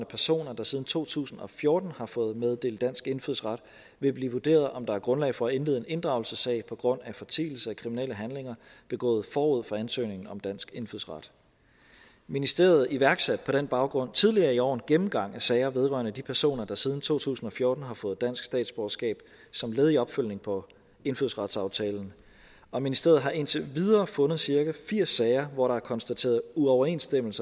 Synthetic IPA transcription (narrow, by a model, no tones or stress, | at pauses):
nəpʰæɐso̝̰ːnɐd̥ɑ̈sið̞ˠn̩t͡sʰo̝̰ːt͡sʰṵːsn̩ɒ̽fjo̝ːɐd̥n̩hɑ̈fɔ̽ːð̩ˠmeð̞ˠd̥e̝̰ːld̥æn̰sɡ̥e̝nfyðˠsʁɑ̈d̥ | ʋe̝b̥liːʋod̥e̝̰ːɐð̩ˠɒ̽md̥ɑ̈æɐɡ̥ʁɔ̽nlɛ̰ɪfɒ̽æe̝nlið̩ˠene̝nd̥ʁɑ̈ʊl̩səsɛ̰ɪpʰɒ̽ɡ̥ʁɔ̽n̰æfɒ̽t͡sʰḭːl̩səækʰʁimineləɦænle̝ŋɐb̥e̝ɡ̥ɔ̰̽ːð̞̩ˠfɒːuð̞̰ˠfʁɑ̈ænsø̰ːne̝ŋn̩ɒ̽md̥æn̰sɡ̥e̝nfyðˠsʁɑ̈d̥ | minisd̥e̝̰ːɐð̞̩ˠiʋæɐɡ̥sæd̥̚pʰɒ̽ɾ̥enb̥ɑ̈ʊɡ̥ʁɔ̽n̰t͡sʰiðˠliɐːiɒ̰ːn̩ɡ̥emm̩ɡ̥ɑ̈ŋ̰æsɛɪɐʋe̝ð̞ˠʁɶ̰ɐnəd̥ipʰæɐso̝̰ːnɐd̥ɑ̈sið̞ˠn̩t͡sʰo̝̰ːt͡sʰṵːsn̩ɒ̽fjoːd̥n̩ɦɑ̈fɔ̽ːð̞̩ˠd̥æn̰sɡ̥sd̥ɛ̰ːd̥sb̥ɒːɐsɡ̥ɛ̰ːb̥ | sɒ̽mleːð̞ˠiɒ̽b̥føl̰ne̝ŋpʰɒ̽ | e̝nfyðˠsʁɑ̈d̥sɑ̈ʊt͡sʰɛːln̩ | ɒ̽minisd̥e̝ɐð̩ˠɦɑ̈ʔe̝nt͡sʰe̝ʋið̞ˠɐːfɔ̽nð̞̩ˠsiɐɡ̥æfiɐ̰sːɛɪɐʋɒɾɑ̈æɐkʰɒ̽nsd̥æt͡sʰe̝̰ɐð̩ˠuɒʊɐe̝nsd̥em̰l̩sɐ